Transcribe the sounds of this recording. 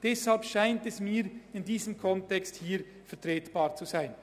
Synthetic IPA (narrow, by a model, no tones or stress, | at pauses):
d̥ɛshalpʃaɪntɛsmiːɾɪndiːzəmkʰɔntɛksthiːɾ | fɛɐtʁeːtb̥ɑːʁt͡suzaɪn